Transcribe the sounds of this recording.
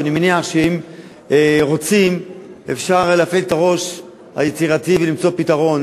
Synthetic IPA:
animeniaχʃeim | ʁo̞t͡simefʃaʁleafelt̪aʁo̞ʃ | ha̰jet͡siʁativelimt͡so̞pitaʁo̞n

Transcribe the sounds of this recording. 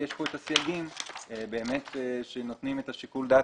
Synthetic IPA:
jeʃpo̞etasjaɡimebe̞ːme̞t̪ʃeno̞t̪nimetaʃikuld̪a

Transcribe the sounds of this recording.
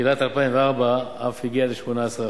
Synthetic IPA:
ilat̪alpaiɱveaʁbaafhiɡialeʃmonaesʁa

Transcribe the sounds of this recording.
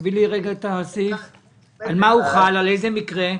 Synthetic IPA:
viliʁeɡat̪aːsif | almauχalalejzemikʁe

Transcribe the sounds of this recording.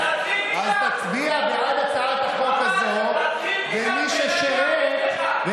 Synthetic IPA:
azt̪at͡sbiavead̪at͡saat̪aχokazo | vemiʃeʃee | ve

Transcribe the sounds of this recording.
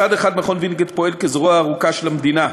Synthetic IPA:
ad̪eχad̪maχonvinɡet̪po̞elkezʁoaːʁukaʃelamd̪ina

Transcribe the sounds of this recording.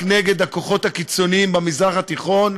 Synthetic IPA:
kneɡe̞d̪hakoχo̞t̪hakit͡so̞niimbemizʁaχat̪iχo̞n

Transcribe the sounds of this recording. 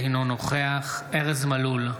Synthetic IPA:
inonoχeaχʔeʁezmalul

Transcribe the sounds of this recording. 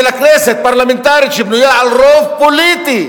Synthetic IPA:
elakɾeset̪̚paɾlament̪aɾit͡ʃibnujaalrofpolit̪i

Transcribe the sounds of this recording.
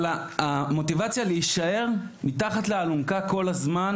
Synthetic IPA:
laamo̞tivat͡sjaleiʃae̞ʁ | mitaχatlealunkako̞lazman

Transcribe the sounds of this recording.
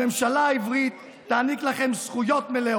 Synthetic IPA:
emʃalaivʁit̪ː | aːniklaχemsχujo̞t̪mele

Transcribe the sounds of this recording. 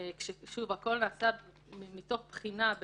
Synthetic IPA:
kʃeʃuvako̞lnaːsa | mito̞χpχinab

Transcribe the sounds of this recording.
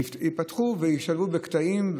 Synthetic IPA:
ipat̪χuvejiʃalubekt̪aimv

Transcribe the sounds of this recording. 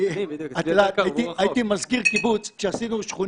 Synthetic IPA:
atlat̪jt̪iajt̪imazkiʁkibut͡sʃeasinuʃχu

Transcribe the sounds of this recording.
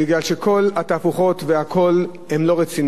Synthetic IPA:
iɡlalʃekʰo̞lat̪afuχo̞t̪veakʰo̞l | hemlo̞ʁet͡sin

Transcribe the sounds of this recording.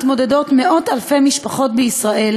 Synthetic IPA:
t̪mo̞dedo̞tme̞ʔo̞talfe̞miʃpaχo̞tbeisʁaʔe̞l

